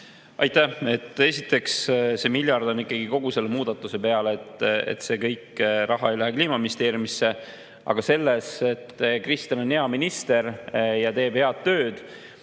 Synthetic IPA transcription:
ɑjt̪æe̞t̪ːˑe̞sit̪ːˑe̞ksse̞miljɑrd̪o̞nikːˑɑɡ̥iko̞ɡ̥use̞lːe̞muːd̪̥ɑt̪ːˑuse̞pe̞ɑlet̪ḛt̪se̞kɤjkrɑɦɑe̞jlæɦekliːmɑminʲist̪e̞ːɾjimisːe̞ | ɑ̰ɡ̥ɑse̞lːese̞t̪ːkrist̪ɑnoneɑminist̪e̞ɾjɑt̪e̞ːb̥he̞ɑd̪̥tːø̞ːd̪̥

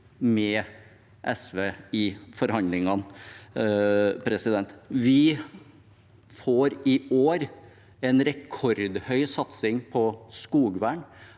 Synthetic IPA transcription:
mɛː | ʔɛsʋeːɪfɔɾhɑnd̪lɪŋɑn | pʰɾɛsɪd̪ɛnt̪ʋɪ | foːɾɪoːɾ | ɛnɾɛkʰɔɾd̪hœʏsɑt̪sɪŋpʰɔskuːɡʋæːɳ

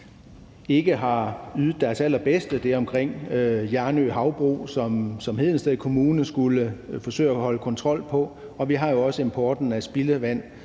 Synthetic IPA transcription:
e̝ɡ̥əɦɑ̈yːð̩ˠd̥æɐsæl̰ɐb̥esd̥əd̥eɐɒ̽mkʰʁeŋ̰jæɐnøɦɑ̈ʊb̥ʁṵːsɒmsɒ̽mhe̝ð̰ˠn̩sd̥eðˠkʰo̝muːnən̩sɡ̥uləfɒ̽sø̰ːæɒhɒ̽ləkʰɒ̽nt͡sʰʁɒ̽l̰pʰɒ̽ | ɒ̽ʋiɦɑ̈jo̝ɒ̽səe̝mpʰɒːd̥n̩æsb̥iləʋæn̰

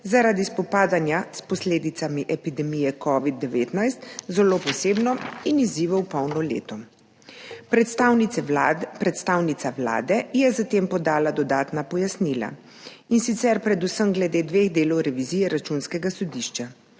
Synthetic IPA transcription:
zaɾaːd̪ispɔpaːd̪anjaspɔsleːd̪it̪samiʔɛpid̪ɛmijɛkɔːʋid̪ːɛʋeːt̪najst̪zɛloːpɔseːbnɔiniziːʋɔwpɔwnɔlḛːt̪ɔ | pw | pɾɛt̪st̪aːwnit̪saʋla̰ːd̪ɛjɛzat̪eːmpɔd̪aːlad̪ɔd̪aːt̪napɔjasnila̰ | insit̪sɛɾpɾɛd̪usəmɡlɛd̪eːd̪ʋeɣd̪eːlɔwɾɛʋizijɛɾat͡ʃunskɛɡasɔd̪iʃt͡ʃa

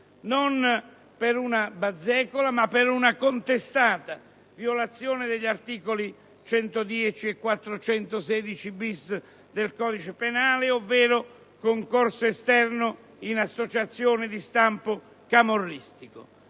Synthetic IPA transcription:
non | peɾunabad̪zːɛːkolamapːɪɾunakont̪est̪aːt̪a | vjolat̪sːjoːnɪd̪eʎːart̪iːkoli | t͡ʃɛnt̪od̪jɛt͡ʃiɛkːwat̪ːɾot͡ʃɛnt̪ʊsɛːd̪it͡ʃibis | d̪elkɔːd̪it͡ʃepenaːlɪovːɛːɾʊ | koŋkorsoest̪ɛrnʊ | inasot͡ʃat̪sːjoːnɪd̪ist̪ampʊ | kamorːist̪ikʊ̰

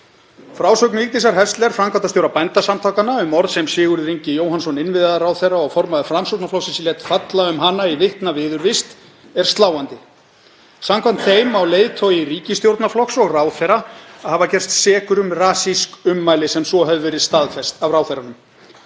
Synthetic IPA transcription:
fɾaːwsœwknʏikt̪is̬aɾɦɛst̪lɛɾ̥fɾamkʰvant̪ast̪jowɾapajnt̪asamt̪ʰawkanaʏmɔɾðsɛmsɪːɣʏɾɪɾiɲcɪjoːwɦansɔnɪnvɪððaɾawθejrːaɔɣfɔɾmaðɪfɾamsowɾt̪naflɔksɪsilɛt̪fat̪laʏmɦanːaivɪht̪navɪːðʏɾvɪst̪ | ɛɾ̥st̪laːwant̪ɪ | samkʰvant̪θeːjmawleːjðt̪ʰowjɪriːcɪst̪jowɾt̪naflɔksɔɣraːwθɛɾaaðhavacɛr̥st̪sɛːkʏɾʏmraːsiskʏmːaːjlɪsɛmsɔɦœvʏvɛɾɪðst̪aːðfɛst̪avɾaːwθejɾanʏm

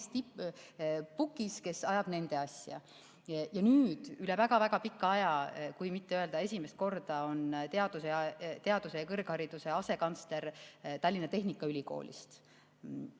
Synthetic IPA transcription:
st̪ip | pukːˑiske̞sɑjɑb̥ne̞nd̪̥e̞ɑsʲjɑ̰ | jɑnyːd̪̥ylɛ̞væɡ̥ɑvæɡ̥ɑpikːɑɑjɑkujmit̪ːe̞yøe̞ld̪̥ɑe̞sʲimest̪̚ko̞rd̪̥ɑo̞nt̪e̞ɑd̪̥useɑt̪e̞ɑd̪usejɑkɤrɡ̥hɑɾid̪̥use̞ɑse̞kɑnsle̞ɾt̪ɑlʲːinɑt̪e̞ɦnikːˑɑylʲiko̞̰ːlʲʔḭst̪

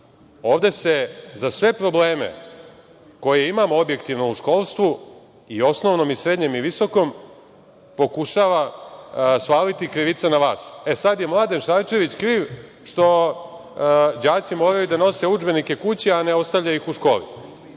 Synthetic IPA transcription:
o̞ːʋd̪e̞se̞zasʋe̞pɾo̞ble̞ːme̞̰ | ko̞jeimamoobje̞kt̪iʋno̞uʃko̞ːlˠst̪ʋu | io̞sno̞ʋno̞misɾe̞d̪ɲe̞miʋiso̞ko̞m | po̞kuʃaːʋa | spaːlit̪ikɾiʋit̪sanaʋa̰ːsesad̪je̞mlˠaːd̪e̞nʃaɾt͡ʃe̞ʋit͡ɕkɾiːʋ | ʃt̪o̞ | d͡ʑaːt̪simo̞ːɾajud̪ano̞se̞ud͡ʒbe̞nike̞kut͡ɕianeo̞st̪avʎaixuʃko̞ːlḭ

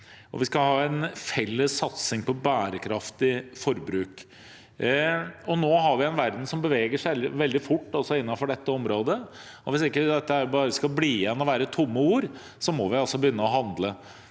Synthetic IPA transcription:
ɔ̰ʋɪskɑhɑːɛɪnfɛlːəsːɑt̪sɪŋpɔbæːɾəkʰɾɑft̪ɪfɔɾbɾʉːk | ɔnoːɦɑɾʋɪɛnʋæɾd̪n̩sɔmbəʋeːɡəʂæʋɛld̪ɪfʊʈːɔsɔɪnːɑfɔɖɛt̪ːəɔmɾoːd̪ə | ɔʋɪsɪkːəd̪ɛt̪ːəæɾbɑːɾəskɑbliːɛnːɔʋæːɾət̪ʰʊmːəuːɾ | sɔmɔʋɪɑlsɔbəjʏnːəɔɦɑnd̪lə

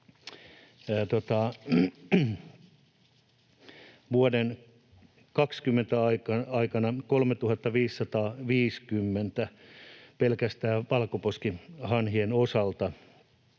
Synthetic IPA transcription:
t̪ot̪ɑ | ʋuoden | kɑkskymːent̪æɑikɑɑikɑnɑkolmet̪uhɑt̪ːɑʋiːsːɑt̪ɑːʋiːskymːent̪æpelkæst̪æːʋɑlkoposkihɑnhienosɑlt̪ɑ

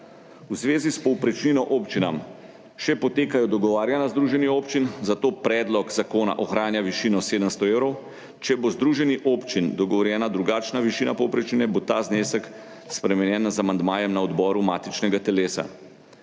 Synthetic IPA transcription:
uzʋeːzispɔwpɾɛt͡ʃninɔʔoːpt͡ʃinam | ʃɛpɔt̪eːkajɔd̪ɔɡɔʋaːɾjanazd̪ɾuːʒɛnioːpt͡ʃinzat̪oːpɾɛːd̪lɔkzakoːna̰ʔɔxɾaːnjaʋiʃiːnɔseːd̪əmst̪ɔeːwɾɔw | t͡ʃɛbozd̪ɾuʒɛniʔoːpt͡ʃind̪ɔɡɔʋɔɾjɛːnad̪ɾuɡaːt͡ʃnaʋiʃiːnapɔwpɾɛt͡ʃninɛbot̪aːzneːsək | spɾɛmɛnjɛːnzamand̪maːjɛmnaɔd̪bɔːɾumaːt̪it͡ʃnɛɡat̪ɛleːsa̰

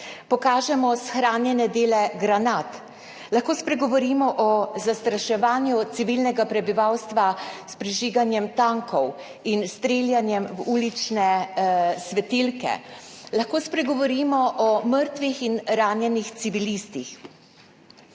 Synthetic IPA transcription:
pɔkaːʒɛmɔsxɾaːnjɛnɛd̪eːlɛɡɾanat̪ | laxkoːspɾɛɡɔʋɔɾiːmɔʔɔzast̪ɾaʃɛʋaːnjut̪siʋilnɛɡapɾɛbiʋawst̪ʋaspɾiʒiːɡanjɛmt̪aŋkɔw | inst̪ɾeːljanjɛmwuːlit͡ʃnɛ | sʋɛt̪ilkɛ̰ | laxkoːspɾɛɡɔʋɔɾiːmɔʔɔməɾt̪ʋixinɾaːnjɛnixsiʋilist̪ix

